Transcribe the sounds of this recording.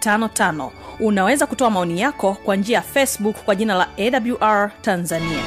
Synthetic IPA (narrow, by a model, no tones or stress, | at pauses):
tanɔtanɔ̰unawɛzakutɔamaɔnijakɔkwand͡ʒiajafɛsbukkːwaʄinalaɛɗabluʔaɹtanzania